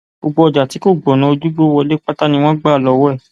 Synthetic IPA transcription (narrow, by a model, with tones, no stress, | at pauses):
bo˧ɡ͡bɔ˧ɔ˧˨d͡ʒa˨ti˨˦ko˦˨ɡ͡bɔ˨nã˨˦o˧d͡ʒu˦ɡ͡bo˦wɔ˧le˦k͡pa˦ta˦nĩ˧w̃ɔ̃˦ɡ͡ba˦˨lɔ˨˦wɔ˦ɛ˦˨